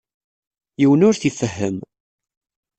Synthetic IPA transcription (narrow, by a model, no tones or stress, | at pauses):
jiwənʊɾθifəɦːəm